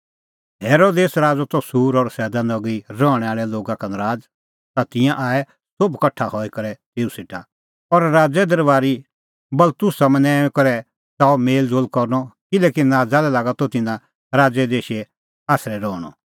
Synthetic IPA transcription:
ɦɛːɾoːd̪eːsɾaːd͡zɔt̪ɔsuːɾɔɾsɛːd̪anɔɡiɾɔːɽ̃ɛaːɭɛloːɡakɐnɾaːd͡z | t̪at̪ɪ̃jãʔaːɛ | sobkɐʈʰːahɔikɐɾɛt̪eːusɪʈʰa | ɔɾɾaːd͡zɛd̪ɐɾʋaːɾi | bɐlt̪ʊsamɛ̃nɛ̃ːkɐɾɛ | taːɔmeːld͡zoːlkɔɾnɔkɪlɛːkinaːd͡zalɛlaːɡat̪ɔt̪ɪnã | ɾaːd͡zɛd̪eːʃɛ | aːsɾɛɾɔːɽ̃ɔ̰

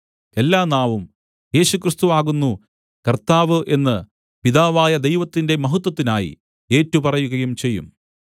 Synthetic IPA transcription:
kelːaːnaːʋum | je̞ːɕukrist̪uʋaːɣunːu | kɐrt̪aːʋɨʔe̞nːɨ | piðaːʋaːjɐd̪e̞jʋɐt̪ːinde̞mɐɦut̪ːwɐt̪ːinaːjḭ | e̞ːtːupɐrɐjuɣɐjumt͡ɕe̞jːṵm

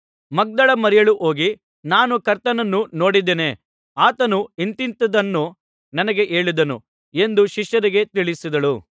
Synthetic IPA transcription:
mɐɡ̚d̪ɐɭɐmɐɾɛjɐɭuʔo̞ːɡi | naːnukɐɾt̪ɐnɐnːuno̞ːɽid̪eːne | aːt̪ɐnuint̪int̪ɐd̪ɐnːu | nɐnɐɡe̞ʔe̞ːɭid̪ɐnṵ | e̞nd̪uʃiʃjɐɾiɡe̞t̪iɭisid̪ɐɭu

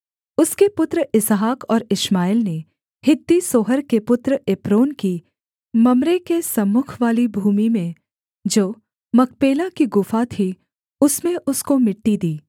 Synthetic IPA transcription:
ʊskepʊt̪ɾəɪsɦaːkɔːɾɪʃmaːɪlne | hɪt̪ːisoːɦəɾkepʊt̪ɾəepɾoːnki | mɐmɾekesɐmːʊkʰʋaːlibʱuːmimẽ | d͡ʒoː | mɐk̚ʰpeːlakiɡʊfat̪ʰi | ʊsmẽʔʊskomɪʈːid̪iː

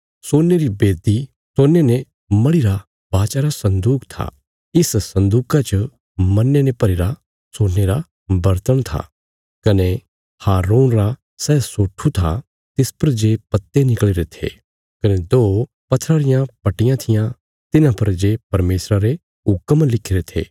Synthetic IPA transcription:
soːneɾibeːd̪i | soːnene | mɐɭiɾa | baːt͡ʃaɾasɐ̃nd̪uːkt̪ʰa̰ | ɪssɐ̃nd̪uːkat͡ʃə | mɐnːenepɐɾiɾa | soːnːeɾa | bɐɾt̪əɽ̃t̪ʰa̰ | kɐne | haːɾuːnɾa | sɛːsoːʈʰːut̪ʰa̰ | t̪ɪspɐɾd͡ʒeːpɐt̪ːenɪkɭiɾet̪ʰḛ | kɐned̪oː | pɐt̪ʰːɾaɾɪjãpɐʈɪjãt̪ʰɪjã | t̪ɪnãpɐɾd͡ʒeːpɐɾmeːsɾaɾe | ʊkːəmlɪkʰːiɾet̪ʰḛː

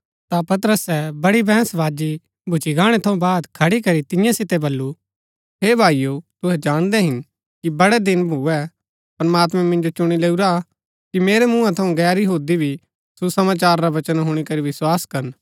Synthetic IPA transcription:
t̪apɐt̪əɾəsɛbɐɽibɛ̃ːsʋaːd͡ʒi | bʱʊt͡ʃiɡaːɽ̃ɛt̪ʰɐũbaːd̪kʰɐɽikɐɾit̪ɪ̃jãsɪt̪ebɐlːu | ɦeːbʱaːijot̪ʊɦɛd͡ʒaːɽ̃d̪ɛɦɪn | kibɐɽɛd̪ɪnbʱuːɛ | pɾɐmaːt̪mɛ̃mɪ̃nd͡ʒot͡ʃʊɽ̃ileːuɾa | kimeːɾɛmũːãt̪ʰɐũɡɛːɾiɦuːd̪ibʱi | susɐmaːt͡ʃaːɾːaʋɐt͡ʃənɦʊɽ̃ikɐɾiʋɪswaːskɐɾn

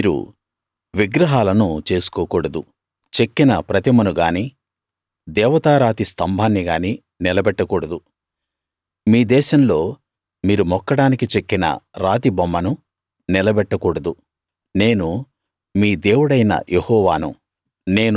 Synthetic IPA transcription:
miːɾṵ | ʋiɡɾɐɦaːlɐnut͡ʃe̞ːsu̥kɔːkɔːɽɐd̪u | t͡ʃekːinɐpɾɐt̪imɐnuɡaːni | d̪ɛːʋɐt̪aːɾaːt̪ist̪ʰɐmbʱaːnːiɡaːni | nilɐbɛʈːɐkuːɽɐd̪u | miːd̪ɛːʃɐmlo̞ː | miːɾumɔkːɐɽaːnikit͡ʃe̞kːinɐ̰ɾaːt̪̬ibɐmːɐnu | nilɐbɛʈːɐkuːɽɐd̪u | ne̞ːnu | miːd̪e̞ːwuɽɐjnɐ̰jʔehɔːʋaːnṵ | ne̞ːn

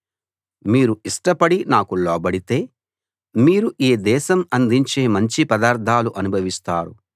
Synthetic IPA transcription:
miːɾuiʂʈɐpɐɽinaːkulɔːbɐɽit̪e̞ː | miːɾuʔeːd̪ɛːʃɐmɐnd̪iɲt͡ʃe̞ːmɐɲt͡ʃipɐd̪aːɾt̪ʰːaːluʔɐnubʱɐʋist̪aːɾu

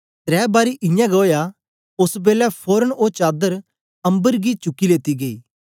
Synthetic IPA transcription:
t̪ɾɛːbaːɾiʔɪ̃jãɡɐoja | ʊsbeːlɛpʰoːɾənot͡ʃaːd̪əɾ | ɐ̃mbəɾɡit͡ʃʊkːileːt̪iɡeiː

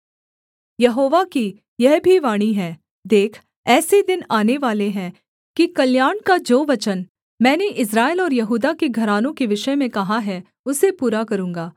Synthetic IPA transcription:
jɐɦoːʋaki | jɛɦbʱiʋaːɽ̃iɦɛ̃ː | d̪eːkʰ | ɛːsed̪ɪnaːneʋaːleɦɛ̃ː | kikɐljaːɳkad͡ʒoːʋɐt͡ʃən | mɛ̃ːneʔɪs̬ɾaːelɔːɾjɐɦuːd̪akeɡʱɐɾaːnõkeʋɪʃəmẽkɐɦaɦɛ | ʊsepuːɾakɐɾũːŋɡaː

